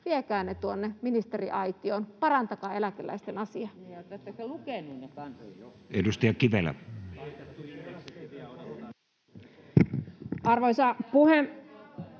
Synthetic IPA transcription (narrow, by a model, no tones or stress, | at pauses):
ʋiekæːnːet̪uonːeminist̪e̞ɾiʔɑjt̪ioːnpɑɾɑnt̪ɑkɑːelækelæ̰ist̪enɑsiɑt̪æt̪ːæselukeˑnunnekɑn | edust̪ɑjɑkiʋelːæ̰ | ɑrʋoisɑpuhem